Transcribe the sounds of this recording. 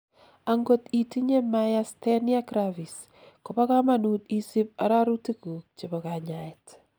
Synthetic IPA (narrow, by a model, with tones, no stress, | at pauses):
a˨ŋɡo˦ti˨ti˦ɲe˦majastɛ˦nia˦kɾavi˨s | ko˨pa˦ka˦ma˨nu˨ti˦si˦p̚a̰˨ɾa˦ɾu˦ti˦ku˨kt͡ʃɪbɔka˨ɲaɛt